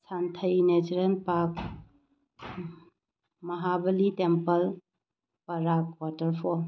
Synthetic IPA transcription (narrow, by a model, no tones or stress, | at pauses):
sant̪ʰəjned͡ʒɾenpak̚ | mɐɦabɐlitempəl | pɐɾakwatəɾpʰɔ